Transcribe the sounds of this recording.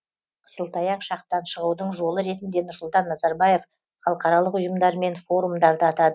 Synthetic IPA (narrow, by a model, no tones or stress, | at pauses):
qʰə̥səlˠt̪ɑjɑqʃɑqt̪ɑnʃəʁuwd̪əɴʒo̞lˠəɾe̞t̪ɪnd̪e̞nʊɾsʊlˠt̪ɑnːɑzɑɾbɑje̞f | χɑlˠəqɑɾɑlˠəqʊjəmd̪ɑɾme̞nfo̞ɾumd̪ɑɾd̪əɑt̪ɑd̪ə